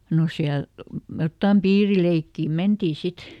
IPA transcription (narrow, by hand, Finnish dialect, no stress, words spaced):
no siæl jotːɑm piːrileikːiˑ mentiː sit